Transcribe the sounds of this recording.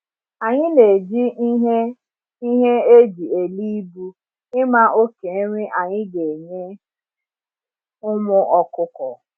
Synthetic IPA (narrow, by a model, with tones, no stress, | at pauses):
a˨ɲɪ˦ne˨d͡ʒi˦ɦe˦ | i˦ɦe˦e˦d͡ʒi˨e˨li˦bu˦ | ɪ˦ma˦o˦ke˨˦ɾɪ˦ʔa˨ɲɪ˦ɡe˨ɲe˦ | ʊ˦mʊ˦ʔɔ˦kʊ˦kɔ˨